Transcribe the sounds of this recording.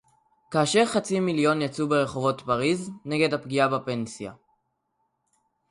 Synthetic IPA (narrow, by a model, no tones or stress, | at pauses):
kaːʃe̞ʁχat͡similjo̞njat͡subeʁe̞χo̞vo̞tpaʁizne̞ɡe̞dhapɡiabape̞nsja̰